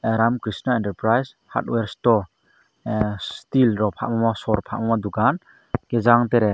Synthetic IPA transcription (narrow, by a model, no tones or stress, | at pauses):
eɾamkɾisnaɛnteɾpɾajs | ha̰ɾt̚weɾstɔ | stilɾɔpʰa̰ʔmamasɔɾpʰa̰ʔmamadukan | ɡ̥ezaŋteɾɛ